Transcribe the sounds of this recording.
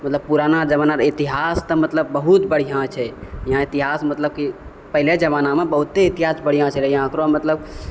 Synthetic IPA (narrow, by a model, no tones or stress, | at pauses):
mət̪ləb̚puɾanad͡ʒəβənaɾit̪iɦast̪əmət̪ləbːəɦut̪bəɽ̤ijãt͡ʃʰɛjiɦãit̪iɦasmət̪ləb̚ki | pəɦiled͡ʒəβanamebəɦut̪ːeit̪iɦasbəɽijãt͡ʃʰɛljɦãkɾomət̪ləb